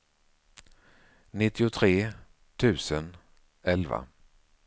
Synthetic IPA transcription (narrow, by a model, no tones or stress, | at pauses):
nɪt̪ːɪʊt̪ʰɾeː | t̪ʰʉ̟ːsən | ɛlva̰